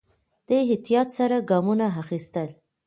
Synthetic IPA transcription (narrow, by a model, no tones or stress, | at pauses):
d̪̥əɦɪt̪ijɑt̪saɾaɡɑmunaɦaxist̪əl